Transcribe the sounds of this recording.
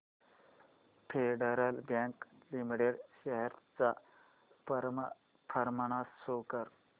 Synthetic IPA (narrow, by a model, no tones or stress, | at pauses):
pʰeɖəɾəlbjãŋklimiʈeɖɕəɦɛɾt͡sa | pəɾm | pʰəɾməɳ̃asːokəɾ